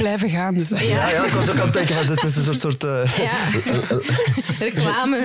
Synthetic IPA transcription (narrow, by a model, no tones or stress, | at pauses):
blɛjvəɣaːndəsɛjajaɪkɔsokantɛŋkəvɑndɪtɪsəns̬oːrtsoːrtəː | rəklaːmə